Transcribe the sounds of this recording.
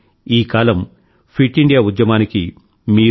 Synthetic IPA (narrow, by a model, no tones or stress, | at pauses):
iːkaːlɐm | pʰiʈːiɳɖijaːud̪jɐmaːniki | miː